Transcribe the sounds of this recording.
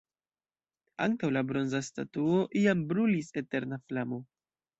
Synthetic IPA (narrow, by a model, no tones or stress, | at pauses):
a̰ŋtawlabɾo̞nzasta̰tuo̞ʔiambɾulise̞te̞ɾnaflamo̞